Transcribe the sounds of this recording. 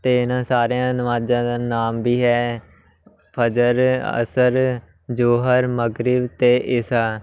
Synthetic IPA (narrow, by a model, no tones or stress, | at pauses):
t̪eːɪnãːsaːɾejãːnəmaːd͡ʒãːd̪aːnaːmbiːɦɛː | pʰəd͡ʒəɾə̰səɾ | d͡ʒoːɦəɾməɡɾɪbt̪eːʔɪsaː